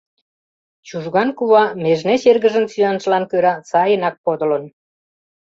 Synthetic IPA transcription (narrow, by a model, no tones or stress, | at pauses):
t͡ɕuʒɣɑnkuβɑmeʒnet͡ɕerɣəʒənsyɑnʃlɑnkøɾɑt͡sɑjənɑk̚pod̪ə̆lə̆n